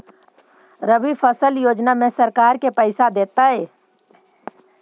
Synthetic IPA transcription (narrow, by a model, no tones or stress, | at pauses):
ɾəbipʰəsəljoːd͡ʒnamẽsəɾkaːɾkepəɪsad̪eːt̪aɦɛː